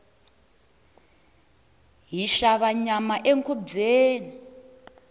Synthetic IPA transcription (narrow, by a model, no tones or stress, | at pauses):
ɦiʃaβaɲamaʔeŋkʰub͡ʐeːni